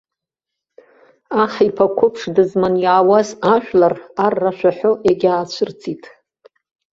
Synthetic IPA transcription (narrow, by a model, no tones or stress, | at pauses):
aχaipʰakʷʰʊpʰʂdɨzmanjaːwazaʒᶣʷlararːaʃʷᶣaħoʔeɡʲaːt͡ɕʷʰɨrt͡sʰʼitʼ